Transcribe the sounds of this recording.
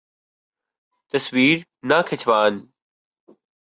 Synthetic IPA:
t̪ɐsʋiːɾnakʰɪt͡ɕʰʋaːn

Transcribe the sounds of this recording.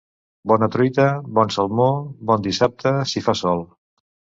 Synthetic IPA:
bɔnət̪ɾit̪əbɔnsəlˠmobɔnd̪isap̚t̪əsifasɔlˠ

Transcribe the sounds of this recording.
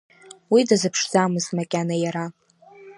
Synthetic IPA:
widazɨpʰʂzamɨzmakʲʼanajaɾa

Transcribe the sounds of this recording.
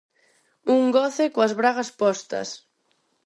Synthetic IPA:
uŋɡɔθɪkoɐzβɾaɣɐspɔst̪ɐ̰s

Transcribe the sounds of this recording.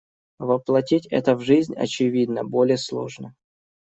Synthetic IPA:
vəplˠɐtʲitʲɛ̰t̪əvʐɨzʲnʲɐ̰t͡ɕɪvʲid̪nəbo̞lʲɪjəslˠo̞̰ʐnə

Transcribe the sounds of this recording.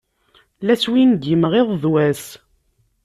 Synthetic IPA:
læswinɡimʁeðˤðwæs

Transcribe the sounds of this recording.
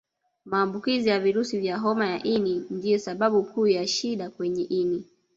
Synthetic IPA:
maːmbukizijaviɾusivjaɦɔmajaʔinindiɛsaɓaɓukuːjaʃiɗakwɛɲɛʔini

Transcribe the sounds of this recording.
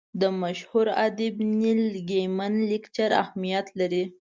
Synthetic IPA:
d̪əmaʃhuɾa̰d̪ɪbnilɡemanlikt͡ʃaɾa̰hmijat̪laɾi

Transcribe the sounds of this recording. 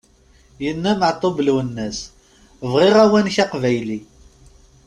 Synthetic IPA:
jənːæməʕt̪ˤːobəlwənːæs | vʁɪʁæwænçaqvæjli

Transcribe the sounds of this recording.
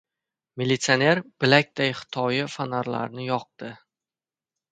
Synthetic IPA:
melʲit̪sione̞ɾb̥ɪlak̚ʲd̪̥ajχɪ̥t̪ʰɒjɪfanaɾla̰ɾnɪjɒq̚d̪ɪ

